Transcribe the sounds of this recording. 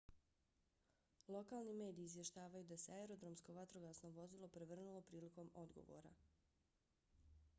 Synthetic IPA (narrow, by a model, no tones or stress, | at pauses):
lˠo̞kalˠnime̞ːd̪iːzʋje̞ʃt̪aːʋajud̪ase̞aeɾo̞d̪ɾo̞msko̞ʋat̪ɾo̞ɡasno̞ʋo̞zilˠo̞pɾeʋr̩nulˠo̞pɾiːliko̞mo̞d̪ɡo̞̰ʋo̞̰ːɾa̰